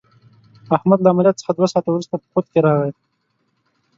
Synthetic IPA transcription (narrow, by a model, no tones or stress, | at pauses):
ahmad̪laːmalijat̪sə̥χad̪wasɑːt̪awɾust̪apə̥xot̪keɾɑʁaj̪